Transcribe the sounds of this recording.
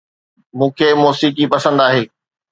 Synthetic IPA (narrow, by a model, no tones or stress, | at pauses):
mũːkʰeːmɔːsiːkipɐsə̃nd̪aːɦeː